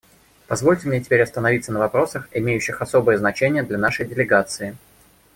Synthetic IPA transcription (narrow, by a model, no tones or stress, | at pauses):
pɐzvo̞lʲtʲɪmnʲetʲɪ̥pʲeɾʲɐst̪ənɐvit̪sənəvɐpɾo̞səxɪmʲejʉɕːɪxɐso̞bɨjəznɐt͡ɕenʲɪjəd̪lʲɐnaʂəjdʲɪlʲɪɡat̪sɨɪ